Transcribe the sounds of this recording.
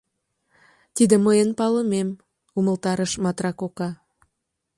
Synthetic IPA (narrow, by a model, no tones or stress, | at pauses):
t̪id̪ə̆məjənpɑləmem | uməlt̪ɑɾəʃmɑt̪rɑkokɑ